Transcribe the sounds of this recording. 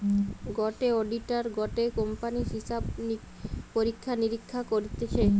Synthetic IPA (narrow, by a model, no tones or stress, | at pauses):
ɡɔʈeɔɖiʈaɾɡɔʈekɔmpaniɦiʃabni | poɾikʰːaniɾikʰːakoɾit̪et͡ɕʰe